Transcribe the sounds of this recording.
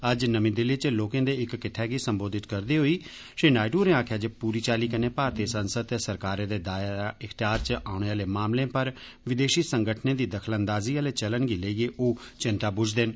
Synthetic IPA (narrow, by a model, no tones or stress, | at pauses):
əd͡ʒnəmĩːd̪ɪliːt͡ʃəloːkẽːd̪eːɪkːɪʈʰːɛːɡiːsəmboːd̪ɪt̪kəɾd̪iːɦoːiː | ʃeːnaːɪʈuːɾẽːãːkʰjaːd͡ʒəpuːɾiːt͡ʃaːliːkəneːpaːɾt̪eːsənsəd̪̚t̪ɛːsəɾkaːɾẽːd̪eːd̪aːjaɪkʰt̪ɪjaːɾt͡ʃaːʊɳ̃eːaːleːmaːmlẽːpəɾ | ʋɪd̪eːʃiːsəŋɡəʈʰnẽːd̪iːd̪əkʰlənd̪aːziːəːleːt͡ʃələnɡiːleiːeːʔoːt͡ʃɪnt̪aːbʊd͡ʒd̪ɪn